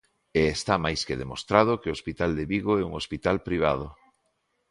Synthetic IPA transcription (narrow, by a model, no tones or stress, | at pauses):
eːst̪amajskeðemost̪ɾað̞okeospit̪ald̪eβiɣoɛuŋospit̪alpɾiβ̞a̰ð̞o